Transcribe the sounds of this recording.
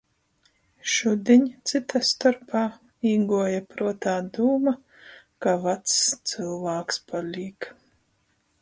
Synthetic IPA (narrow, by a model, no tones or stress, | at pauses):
ʃud̪ʲiɲʲt̪sɨt̪ast̪ɔɾpaː | iːɡuɔjapɾuɔt̪aːd̪uːma | kavat̪st̪sɨlˠvaːkspalʲiːk